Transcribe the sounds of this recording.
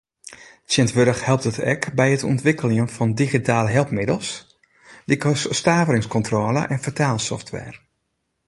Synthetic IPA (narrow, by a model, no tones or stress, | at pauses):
sjɪntʋøɾəxhɛlˠp̚tdətʰɛkbɛjətʰɔ̰ntʋɪkʰəlɪŋənfɔndixitaːləɦɛlˠpmɪdəl̩ˠs | dikstaːvəɾɪŋskɔntroːlə̰ʔɛnfətʰaːlˠsɔ̰ftʰʋɛ̰ːr